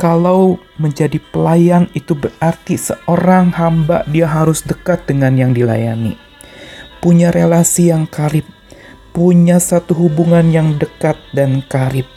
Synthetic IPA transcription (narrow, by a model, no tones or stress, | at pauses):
kalaw | məɲd͡ʒadipəlajanit̪ubərart̪isəʔoɾaŋhamba̰ʔdiaɦaɾʊsdəkat̪̚dəŋanjaŋdila̰ja̰nḭ | puɲaɾelasijaŋkaɾɪp̚ː | uɲasat̪uɦubuŋanjaŋdəkat̪̚dankaɾɪp̚